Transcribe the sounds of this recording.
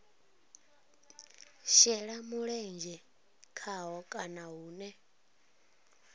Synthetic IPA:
ʃɛɺamuɺɛnd͡ʒɛ | kʰaɦɔkʼanaɦuːnɛ

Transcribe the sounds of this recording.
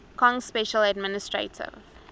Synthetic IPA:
kʰɔ̃ŋspɛʃəladmɪnɪstɹḛtʰɪ̰v

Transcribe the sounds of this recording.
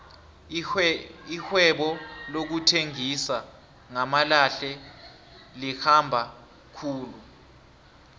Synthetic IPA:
ixwɛɓɔlok̬utʰeŋisa | ŋamalaɬɛ | lixambʱa | kʰuːlu

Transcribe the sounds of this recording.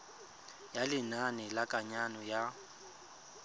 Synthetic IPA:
jalɪnanɪlakʼaɲanɔja

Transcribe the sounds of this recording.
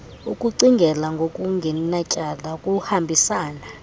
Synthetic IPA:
ukʼuǀiŋɡʱɛlaŋɡʱokʼuŋɡʱɛnat͡ʃʼalakʼuhambʱisaːna

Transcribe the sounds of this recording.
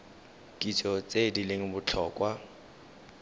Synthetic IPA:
kʼit͡sʼɔt͡sʼedileŋ̩bʊt͡ɬʰɔːkʼwa

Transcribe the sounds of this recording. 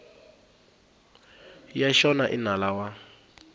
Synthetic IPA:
jaʃɔnaʔinalawa

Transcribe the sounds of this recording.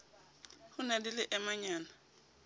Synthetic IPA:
hʊnadilɪʔɛmaɲaːna

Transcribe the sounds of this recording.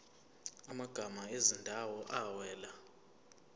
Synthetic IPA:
amaɡ̥ʱamaezindʱawɔʔawɛːla

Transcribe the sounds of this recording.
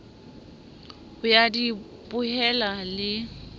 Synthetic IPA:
ʊjadi | pʼʊɦɛlalɪ

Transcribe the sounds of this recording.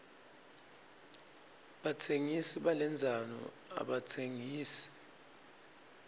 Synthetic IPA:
ɓatʰeŋisiɓalɛnd͡zʱanɔ̰ | a̰ɓatʰeŋiːsi̥

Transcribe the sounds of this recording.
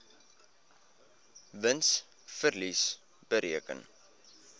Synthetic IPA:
vəns | fərlis | b̥əɾʔiəkə̰n

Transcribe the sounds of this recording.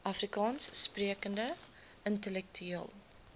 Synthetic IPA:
ʔɐfrikɑːnsːpriəkəndə | əntəlɛk̚tʰyiəlˠ

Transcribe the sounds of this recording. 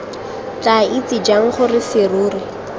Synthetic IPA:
t͡ɬʼait͡sid͡ʒaŋ̩χʊrɪfeɾuːrɪ

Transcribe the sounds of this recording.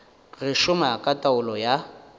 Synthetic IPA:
rɪʃʊmakʼatʼaʊlɔja

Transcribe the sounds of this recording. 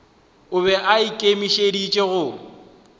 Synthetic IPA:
ʊβɛʔaikʼemiʃedit͡ʃʼeɣʊ

